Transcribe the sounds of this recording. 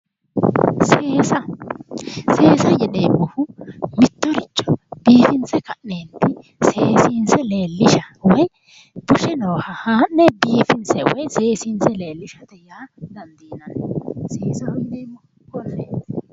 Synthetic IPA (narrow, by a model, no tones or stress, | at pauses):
seːsɐ | se̞ːsɐjɛneːmːɔhʊmɪt̪ːɔɾɪt͡ʃːɔ̥b̥iːfɪnsɛkɐʔːeːnt̪ːɪ | seːsiːnsɛleːlːɪʃɐwɔj | b̥ʊʃɛnɔːhɐhaːnːɛbiːfɪnsɛwɔ̰jseːsiːnsɛle̞ːlːɪʃɐt̪ɛjaːd̪ɐnd̪iːnɐnseːsɐhʊjneːmːɔhʊ | kɔnːeːt̪